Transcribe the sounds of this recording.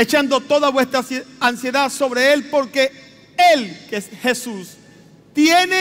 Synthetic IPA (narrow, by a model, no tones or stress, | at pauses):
et͡ʃand̪o̞t̪o̞ðaβwe̞st̪ɾaansje̞ðaso̞βɾe̞e̞lpo̞ɾke̞ | elkexe̞sus | t̪jene